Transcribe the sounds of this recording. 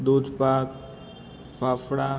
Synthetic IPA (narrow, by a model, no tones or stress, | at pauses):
d̪oːd͡ʒpaːk | faːfɽa